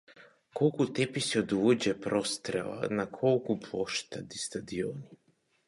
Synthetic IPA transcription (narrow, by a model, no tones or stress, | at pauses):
kolˠkut̪episiod̪uod͡ʑepɾost̪ɾela̰nakʰolkupʰoʃt̪ad̪ist̪ad̪ioːni